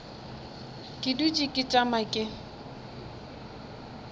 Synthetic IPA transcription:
kʼɪdut͡ʃʼɪkʼɪt͡ʃʼamakʼɪ

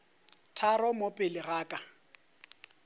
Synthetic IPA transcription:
tʰarɔmopʼɪlɪɣaːkʼa

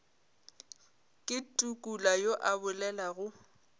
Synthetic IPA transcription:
kʼɪtʼukʼulajoʔabʊlɛlaɣʊ

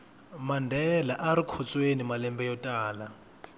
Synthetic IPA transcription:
mandʱɛlaʔaɾikʰɔt͡sʼwenimalɛmbɛjɔtʼaːla

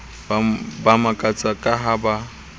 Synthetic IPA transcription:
bamakʼat͡sʼakʼaɦaba

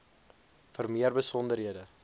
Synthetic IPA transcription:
fərmiərbəsɔndəɾɦiədə

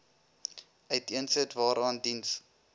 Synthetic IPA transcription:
œɥtiənsətvɑːɾɑːndins

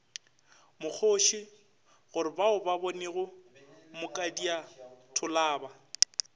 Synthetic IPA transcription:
mʊk͡xʰoːʃɪ | ɣʊɾɪbaʊbaboneɣʊmʊkʼadiatʰʊlaːba

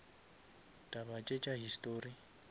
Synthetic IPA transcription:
tʼaβat͡ʃʼet͡ʃʼaɦistʼoːri

